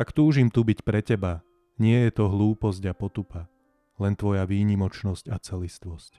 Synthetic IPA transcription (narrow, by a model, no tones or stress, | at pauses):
ʔakt̪uːʒimt̪ubicpɾɛcɛba | ɲɪɛjɛt̪ɔɦluːpɔzɟapɔt̪upa | lɛnt̪ʋɔjaʋiːɲimɔt͡ʃnɔscat͡sɛlist̪ʋɔsc